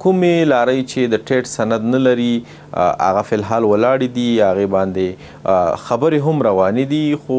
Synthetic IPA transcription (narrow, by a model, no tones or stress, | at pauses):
kʊmelɑɾəjt͡ʃed̪əʈeʈsanad̪nalaɾi | a̰ɣafɪlɦɑlwəlɑɽed̪iaɣebɑnd̪e | xabəɾeɦamɾawɑned̪ixo